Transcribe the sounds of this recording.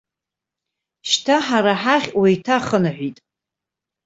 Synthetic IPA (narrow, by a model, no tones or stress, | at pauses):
ʃtʰaħaɾaħaχʲwajtʰaχənaħʷᶣitʼ